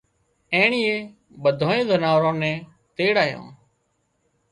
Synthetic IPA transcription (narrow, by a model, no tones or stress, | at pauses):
ẽːɳiːeː | ɓəd̪ʱõːẽːd̪ənaːʋɾõːnɛ̃ː | t̪eːɽaːjõ̰ː